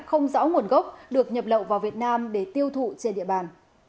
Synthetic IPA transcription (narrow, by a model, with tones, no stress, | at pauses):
xə˧wŋ͡mza̰ː˧˦˥wŋu˨˩ənɣə˦˥wk͡p̚ɗɨ˨˩ək̚ɲə˨˩p̚lə̰˧˨wvaː˨˩wvi˨˩ət̚naː˧mɗe˧˩t̪i˧əwt̪ʰṵ˧˨t͡ɕe˧nɗḭ˧˨əɓaː˨˩n